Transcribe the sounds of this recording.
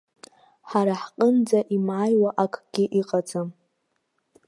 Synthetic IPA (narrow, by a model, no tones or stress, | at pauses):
ħaɾaħqʼənd͡zaʔimʕajwaʔakʼʰɡ̥ʲɪʔiqʼad͡zam